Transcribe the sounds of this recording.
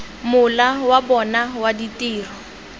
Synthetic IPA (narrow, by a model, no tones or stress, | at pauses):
mʊlawabɔnawaditiːrɔ